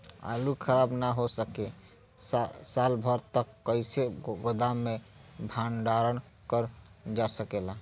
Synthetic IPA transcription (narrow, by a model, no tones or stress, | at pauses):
a̰lukʰəɾabnaɦosəke | salbʱəɾt̪əkːəɪseɡod̪amːebʱanɖaɾən | kəɾd͡ʒasəkela